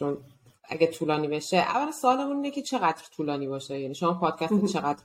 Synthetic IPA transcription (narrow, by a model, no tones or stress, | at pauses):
t͡ʃʰon | æ̰ɡet̪ʰuːlɒːniːbe̞ʃeʔæ̰vːælænsoɒːlemuniːnecʰʲet͡ʃʰe̞ɣæd̪ɾt̪ʰuːlɒːniːbɒːʃejæniːʃomɒpʰɒːd̪̥cʰæst̪t͡ʃʰe̞ɣæd̪ɾ